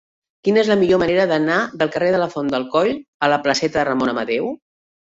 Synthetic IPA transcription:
kinəezləmiʎoməneɾəðənaðəlˠkəreðələfond̪əlˠkɔʎələpləsɛt̪əðərəmonəmət̪ɛw

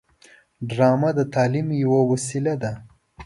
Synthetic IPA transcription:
ɖɾɑmad̪ət̪ɑːlimjawawasilad̪a

